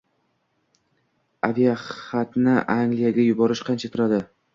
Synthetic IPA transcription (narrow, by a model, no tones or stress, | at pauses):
avijaχat̪nɪʔaŋlijaɡʲajʊbɒɾɪʃqʰɑnt͡ʃʰat̪ʰʊɾad̪ɪ